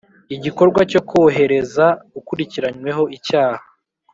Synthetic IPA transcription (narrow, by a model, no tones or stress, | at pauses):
iɟiko̞ɾɡwaco̞kʰoɦe̞ɾe̞zaukuɾiciɾaɲwe̞ɦo̞ʔicaːha